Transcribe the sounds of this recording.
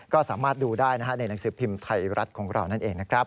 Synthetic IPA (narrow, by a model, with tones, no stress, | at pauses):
kɔː˥˩saː˩˦maː˥˩t̪̚duː˧daː˥˩jna˦˥kʰa˥na˧jna˩˦ŋsɯː˩˦pʰi˧mt̪ʰa˧jɾʔa˦˥t̪̚kʰɔː˩˦ŋɾa̰˧wna˥˩nʔeː˨˧ŋna˦˥kʰɾa˦˥p̚